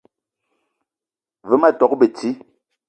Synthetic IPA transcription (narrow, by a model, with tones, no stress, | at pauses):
və˨˦ma˦˨tɔ˨k̚be˨ti˦